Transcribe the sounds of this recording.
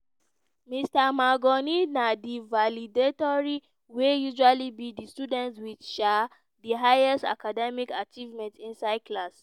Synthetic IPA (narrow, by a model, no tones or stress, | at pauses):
mistamaɡɔninadivalidetɔɹi | wejuʒualibidistudɛ̃ntswiʃa | diɦajɛstakadɛmikat͡ʃivmɛ̃ntĩnsaɪdkʰlas